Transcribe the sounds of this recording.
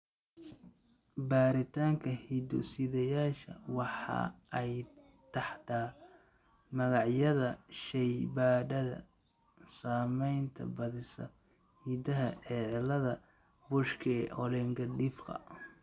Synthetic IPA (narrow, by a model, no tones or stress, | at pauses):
baːɾɪt̪ʰaːŋkʰɐhiːd̪ɔ̰sɪðɐjaːʃɐ̰wɑħɑ̰ɛj | t̪ʰɑħt̪ʰaː | mɐɣɑʕjɐðɐʃɛjbaːɖɐðɐ̰ | saːmɛjnt̪ʰɐ̰bɐðɪsɐ̰ | hiːd̪ɐɦɐʔɛːʕɪlɐðɐ | bʊʃkʰɛʔɔlɛŋɡɐɖɪfkɐ̰